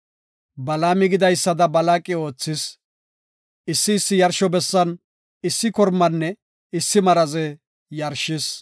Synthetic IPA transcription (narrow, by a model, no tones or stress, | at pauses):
bɐlaːmɪɡɪd̪ɐjsːɐd̪ɐbɐlaːkʼɪo̞ːt͡sːɪs | ɪsːɪːsːɪjɐɾʃɔbɛsːɐn | ɪsːɪkɔɾmɐnːɛ | ɪsːɪmɐɾɐzɛ | jɐɾʃɪs